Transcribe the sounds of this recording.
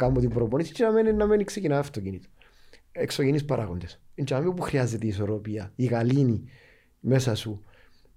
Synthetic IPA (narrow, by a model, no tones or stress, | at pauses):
kamːot̪imbɾoponisi̥t͡ʃenɐmeninːɐmeniksecinɐɐft̪ocinit̪o̥ | eksocenispɐɾʔɐɣond̪esint͡ʃɐmiopuxɾiɐzːe̞t̪eiːso̞ɾo̞piɐiɣɐlini | me̞sɐsu